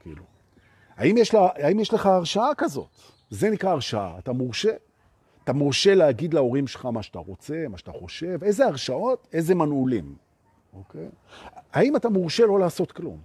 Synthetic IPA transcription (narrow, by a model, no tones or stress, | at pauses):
kḭːlu | ha̰imjeʃlaaimjeʃleχaːʁʃaakazo̞̰t | ze̞nikʁaːʁʃaa̰ːtamoʁʃe̞ | at̪amoʁʃe̞leaɡid̪leo̞ʁimʃelχamaʃat̪aʁo̞t͡se̞maʃat̪aχo̞ʃe̞ve̞jzeaʁʃao̞t̪e̞jzemanulim | o̞kej | aimatamoʁʃe̞lo̞laːso̞t̪klṵm